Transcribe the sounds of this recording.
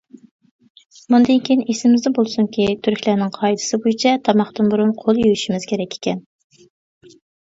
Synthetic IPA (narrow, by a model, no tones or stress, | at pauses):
mund̪ɨnkʲʰijinesɪmɪzd̪ɛbolˠsuŋkʲʰit̪ʰyɾkʲlænɪŋqʰɑjd̪ɨ̥sɨbojit͡ʃʰɛt̪ʰɑmɑχt̪ɨnbuɾunqʰolˠjyjyʃimɪzkʲʰeɾɛkʲʰːe̥kʲɛn